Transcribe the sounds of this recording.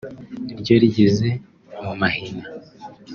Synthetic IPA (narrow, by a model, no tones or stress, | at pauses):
iɾɟoɾiɟeze̞ | mumahina